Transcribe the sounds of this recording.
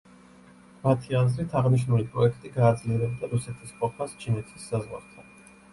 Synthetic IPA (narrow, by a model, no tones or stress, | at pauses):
mat̪ʰiazlit̪ʰaʁniʃ̬nulipʼɾɔɛkʰt̪ʼiɡaːd̪zliɛɾɛb̚d̪aɾusɛt̪ʰisqʼɔpʰast͡ʃʰinɛt̪ʰi̥sːazʁwa̰ɾt̪ʰa